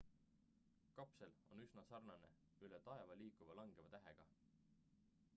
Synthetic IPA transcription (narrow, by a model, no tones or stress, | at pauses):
kɑpse̞lo̞̰nysnɑsɑrnɑne̞̰ | ylet̪ɑe̞vɑliːkuvɑlɑŋɡ̥evɑt̪æɦeɡ̥ɑ